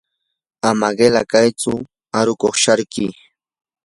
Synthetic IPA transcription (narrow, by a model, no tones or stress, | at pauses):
amaɢelakajt͡sʊ | aɾʊkoχʃaɾkɪ